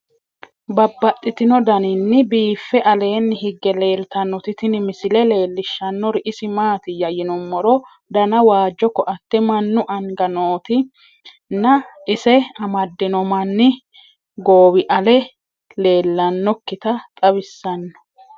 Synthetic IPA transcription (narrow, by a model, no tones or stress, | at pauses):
bɐbːɐt̪ʼːɪt̪ɪnɔd̪ɐnɪnːɪbiːfːɛʔɐle̞ːnːɪhɪɡːɛle̞ːlt̪ɐnːɔt̪ɪt̪ɪnɪmɪsɪlɛle̞ːlːɪʃːɐnːɔɾɪʔɪsɪmaːt̪ɪjɐjɪnɔmːɔɾɔ | d̪ɐnɐwaːd͡ʒːɔkːɔʔɐt̪ːɛmɐnːʊʔɐŋɡɐnoːt̪ɪ | nɐɪsɛɐmɐd̪ːɪnɔmɐnːɪ | ɡoːwɪʔɐlɛ | le̞ːlːɐnːɔkːɪt̪ɐt̪ʼɐbɪsːɐnːɔ̥